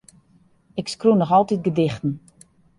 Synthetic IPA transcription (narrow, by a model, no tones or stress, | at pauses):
ɪkskrunɔxɔlˠtit̚ɡədɪxtən̩